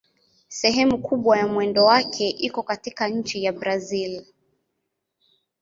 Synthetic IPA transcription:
sɛɦɛmukʰuɓwajamwɛndɔwakʰɛʔikɔkatikaɲ̩t͡ʃijabɾazil

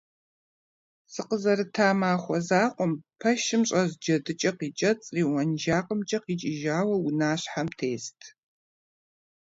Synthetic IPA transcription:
sɨqəzɐɾɨtʰaːmaːχʷɔzaːqʷɔmpʰɐʃɪmɕʼɐzd͡ʒɐdɨt͡ʃʼɐqiːt͡ʃʼɐt͡sʼriːwɐnʒaːqʼəmt͡ʃʼɐqiːt͡ʃʼɪʒaːwɐwʊnaːɕħamtʰeːstʰ

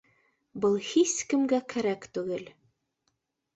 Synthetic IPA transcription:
bɤlˠhiskɘ̆mɡækʰæɾækt̪ʉɡɘl

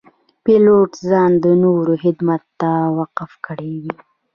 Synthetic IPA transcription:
peloʈzɑnd̪ənoɾohɪd̪mat̪ːawaqafkəɽewi

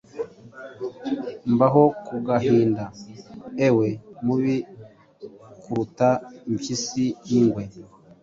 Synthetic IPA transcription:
mbaɦokuɡaɦiːndaewe̞muβi | kuɾutaimçisijiŋɡwe

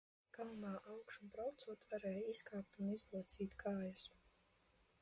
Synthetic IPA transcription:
ɡ̥amunaːʔawkʃumbɾawt̪suɔt̪vaɾɛːjiskaːp̚t̪unizlˠuɔt̪siːt̪kaːjas

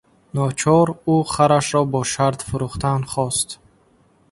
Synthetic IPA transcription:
nɔt͡ʃʰɔɾuχaɾaʃɾɔbɔʃaɾd̪fuɾuχt̪ʰanχɔst̪

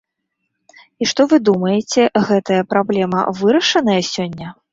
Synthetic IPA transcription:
iʂt̪ɔvɨd̪umɐjɛt͡sʲɛɣɛt̪ɐjɐpɾablʲɛmɐ̰vɨɾɐʂɐn̪ɐjɐsʲɔnʲːɐ

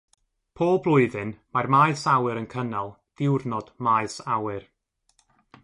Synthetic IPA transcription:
pʰoːlˠblˠʊɨðɨnmarmajsawɨɾənkʰənalˠ | d̥ɪwrnɔd̥maɨsawɨr

